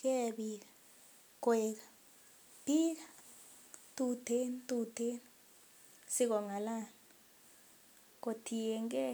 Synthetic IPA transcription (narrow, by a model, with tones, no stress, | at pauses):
kɛ˦ɓika | kwɛk̬a | b̥i˦k̬a | tʼudʰʱe˦ntʼu˨tʰe˦n | si˦k̬ɔ˨ŋa˨la˦˨n | k̬o˨tʰi˨jɛ˨ŋk̬ɛ˦